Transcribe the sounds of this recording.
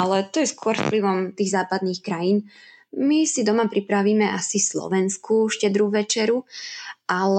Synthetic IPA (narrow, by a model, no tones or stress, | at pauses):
alɛt̪ɔjɛskʊɔɾfpliʋɔmt̪iːɣzaːpad̪niːxkɾajiːn | misid̪ɔmapɾipɾaʋiːmɛʔasislɔ̰ʋɛnskuʃcɛd̪ɾuʋɛt͡ʃɛɾuʔal